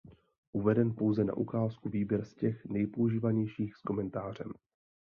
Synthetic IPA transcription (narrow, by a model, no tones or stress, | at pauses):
ʔuvɛdɛnpo̞wzɛna̰ʔukaːskuviːbjɛɾscɛxnɛjpouʒiːvaɲɛjʃiːxsko̞mɛnt̪aːr̝ɛm